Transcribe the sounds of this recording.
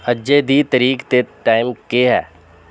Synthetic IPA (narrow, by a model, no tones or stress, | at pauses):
əd͡ʒed̪it̪əɾiːkt̪et̪ʈaːɪmkeɦɛ̰ː